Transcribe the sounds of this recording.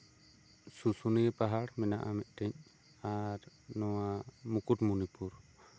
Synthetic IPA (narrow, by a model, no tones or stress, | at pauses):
susunipaɦaɽmɛnaʔamɛt̪̚ˀʈɛɲ | aɾnɔwamukuʈmunipuɾ